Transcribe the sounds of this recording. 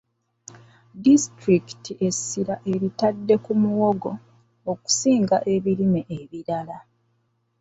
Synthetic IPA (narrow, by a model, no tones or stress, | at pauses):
distɾiki̥tie̞siɾaʔe̞ɾitadːe̞kumuwo̞ɡo̞ | oku̥siːŋɡaʔe̞βiɾimeʔeβiɾala